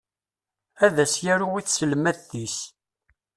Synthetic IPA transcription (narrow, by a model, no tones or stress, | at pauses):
æðæsjæɾuwiθsəlmæθːis